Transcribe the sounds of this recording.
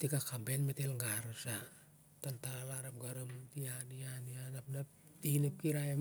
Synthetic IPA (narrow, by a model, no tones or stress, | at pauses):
tikakambenmetelŋɡaɾsa | tantaalaɾap̚ɡaɾumtianianianapnap̚ | tinup̚kiɾaem